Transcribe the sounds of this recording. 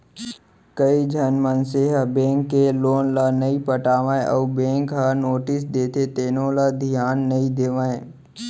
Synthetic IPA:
kəid͡ʒʱənmənseɦɐbẽːŋkːeloːnlanɐipəʈaːʋãːẽʔɔːbẽːŋkɦanoːʈɪsd̪eːt̪ʰet̪eːnõlad̪ʱijaːnːəĩd̪eːʋãːẽ

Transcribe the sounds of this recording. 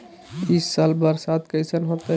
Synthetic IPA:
t̪isːalbəɾsat̪kəjsənɦot̪e

